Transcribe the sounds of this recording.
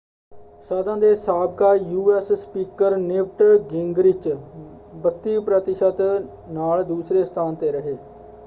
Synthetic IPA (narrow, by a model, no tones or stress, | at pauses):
səd̪ãːd̪eːsaːb̚kaːjuːɛːsspiːkəɾnɪʋʈɡɪŋɡɾɪt͡ʃ | bət̪ːiːpɾət̪ɪʃət̪ | naːld̪uːsɾeːst̪ʰaːnt̪eːɾəɦeː